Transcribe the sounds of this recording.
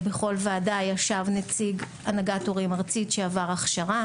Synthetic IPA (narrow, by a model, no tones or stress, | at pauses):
beχo̞lvaːdajaʃavnet͡siɡ | anaɡatoʁimʁt͡sitʃeavaʁaχʃaʁa